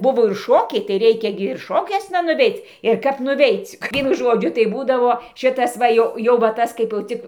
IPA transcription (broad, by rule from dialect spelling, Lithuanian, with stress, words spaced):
ˈbʊʋoː ɪr ˈʃoːkʲɛɪ tɐɪ ˈrʲɛɪkʲɛ ˈɡʲɪ ɪr ˈʃoːkʲuɔsnɐ nʊˈʋʲɛɪt͡s ɪr ˈkɐp nʊˈʋʲɛɪt͡sʲ ˈʋʲiɛnʊ ˈʒoːd͡ʒʲʊ tɐɪ ˈbuːdɐʋoː ˈʃʲɪtɐs ˈʋɐ jɛʊ jɛʊ ʋɐ ˈtɐs kɐɪp jɛʊ ˈt͡sʲɪk